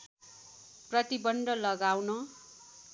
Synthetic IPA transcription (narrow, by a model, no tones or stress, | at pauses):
prʌt̪ibʌɳɖʌlʌɡawnʌ